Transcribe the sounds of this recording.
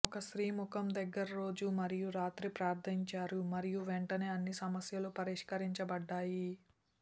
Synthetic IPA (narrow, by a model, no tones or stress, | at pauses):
ɔkɐʃɾiːmukɐmd̪ɐɡːɐɾɐɾo̞ːd͡ʒumɐɾijuɾaːt̪ɾipɾaːɾt̪ʰiɲt͡ʃaːɾumɐɾijuʋeɳʈɐne̞ːɐnːisɐmɐsjɐlupɐɾiʂkɐɾiɲt͡ʃɐbɐɖːaːji